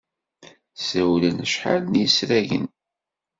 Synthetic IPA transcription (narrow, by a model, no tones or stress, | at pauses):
sæwlənəʃħa̰lnisɾæʝə̰n